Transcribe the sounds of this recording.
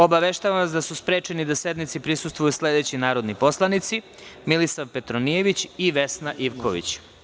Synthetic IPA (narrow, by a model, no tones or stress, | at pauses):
o̞baʋeʃt̪aʋaʋasd̪asuspɾe̞ːt͡ʃenid̪ase̞d̪nit̪sipɾisust̪vujusle̞d̪e̞ːt͡ɕinaːɾod̪niposlˠanit̪si | milisaʋpe̞t̪ɾonije̞ʋit͡ɕiʋe̞snaʔiʋkʰoʋḭt͡ɕ